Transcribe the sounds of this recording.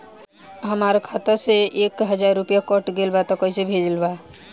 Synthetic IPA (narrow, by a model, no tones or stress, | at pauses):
ɦəmaɾkʰat̪əseʔeːkɦəd͡ʒaɾːupjakɔʈɡelbat̪ɔkɔisebʱed͡ʒəlba